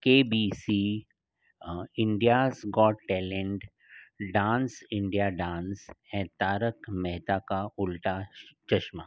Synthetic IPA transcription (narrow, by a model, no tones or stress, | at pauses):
keːbiːsiː | ɪ̃ɳɖijaːsɡɔːʈʈɛːlẽɳʈ | ɖãːnsɪ̃ɳɖijaɖãːnsɛ̃ːt̪aːɾəkmɛɦt̪akaʊlʈat͡ʃɐʃmaː